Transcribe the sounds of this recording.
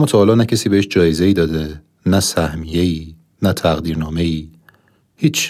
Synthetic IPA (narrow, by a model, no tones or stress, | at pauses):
mːɒːt̪ʰɒhːlɒːnæcʰesiːbeeʃd͡ʒɒːjeze̞iːd̪ɒːd̪e | næsæhmije̞iː | næt̪ʰæɣd̪iːɾnɒːme̞iː | hiːt͡ʃʰ